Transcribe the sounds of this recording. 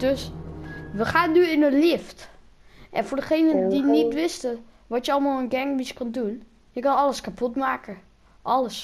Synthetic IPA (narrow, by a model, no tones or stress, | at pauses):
d̥øs | ʋəxaːndyɪnəlɪft | ʔɛnfʊrdəxeːnəndinitʋɪstə | ʋɔtjəɔlˠmalˠənɡɛŋmiskɔndun | jəkɑnɔləskapʰotmaːkə | ʔɔləs